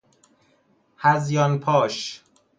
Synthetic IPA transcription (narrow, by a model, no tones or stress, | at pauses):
hæzjɒnpʰɒːʃ